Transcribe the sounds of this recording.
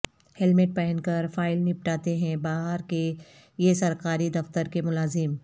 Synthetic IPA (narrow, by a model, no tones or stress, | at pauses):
hɛlmeʈ̚pɛɦɛnkɐɾfaːɪlnɪp̚ʈaːt̪eɦɛ̃baːɦəɾke | jesɐɾkaːɾid̪ɐft̪əɾkemʊlaːzɪm